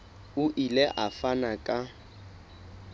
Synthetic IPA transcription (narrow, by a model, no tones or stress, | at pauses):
ʊʔilɛʔafanakʼa